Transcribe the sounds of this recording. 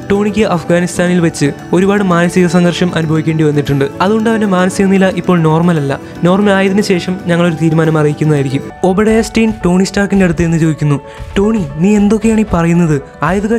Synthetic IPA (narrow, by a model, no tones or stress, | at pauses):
ʈo̞ːɳikʲːɨʔɐfɡaːnist̪ʰaːnilʋɐt͡ɕːɨ | o̞ɾubaːɽɨmaːnɐsiɣɐsɐŋɡɐrʂɐmʔɐnubʱɐʋikʲːeːɳɖɨʋɐnːiʈːuɳɖɨɐðuɳɖaːʋɐndemaːnɐsiɣɐnilːɐʔipːo̞ːɭno̞ːrmɐlɐlːɐ̰ | no̞ːrmɐlaːjɐðinɨɕe̞ːʂɐmɲɐŋːɐɭo̞ɾut̪iːɾumaːnɐmɐrijikʲːunːɐðaːjiɾikʲːumobɐɽɐjestɐjnʈo̞ːɳistaːrkinde̞ɽut̪ːɨe̞nːɨt͡ɕoːʋikʲːunːu | ʈo̞ːɳiniːe̞nd̪o̞kːejaːɳipɐrɐjunːɐðɨ | aːjɐðuɣɐ